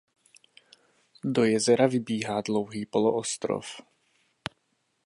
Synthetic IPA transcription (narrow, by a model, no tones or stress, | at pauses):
do̞jɛzɛɾavɪbiːɦaːdlo̞wɦiːpo̞loʔost̪ɾo̰f